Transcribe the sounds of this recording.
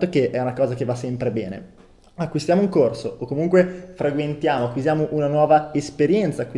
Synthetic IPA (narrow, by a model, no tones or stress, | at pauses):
t̪okeʔɛunakɔːzakevːasɛmpɾebɛ̰ːnḛ | akːwist̪jamoiŋkorsookːomuŋkwefɾaɡwent̪jaːmoakwizjaːmoʔunanwɔːvaespeɾjɛnt̪saːkːwi